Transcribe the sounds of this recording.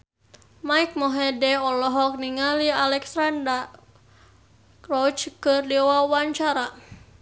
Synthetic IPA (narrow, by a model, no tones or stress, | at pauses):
maik̚mɔɦɛdɛɔlɔɦɔk̚niŋalialɛksanda | kɔt͡ʃkɨrdiwawaɲt͡ʃaɾa